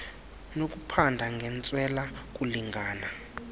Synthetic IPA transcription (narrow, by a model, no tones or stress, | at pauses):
nok̬ʼupʰandʱaŋɡʱɛnt͡sʼwɛlak̬ʼuliŋɡʱaːna